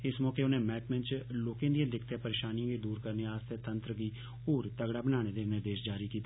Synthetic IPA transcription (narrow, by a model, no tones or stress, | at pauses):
ɪsmɔːkeːʊnẽːmɛːʈmɪ̃nt͡ʃloːkẽːd̪ijãːd̪ɪkʰt̪eːpəɾeːʃaːniãːɡeːd̪uːɾkəɾneːaːst̪eːt̪ənt̪ɾəɡiː | oːɾt̪əɡɽaːbənaːñeːd̪eːnɪɾd̪eːʃd͡ʒaːɾiːkiːt̪aː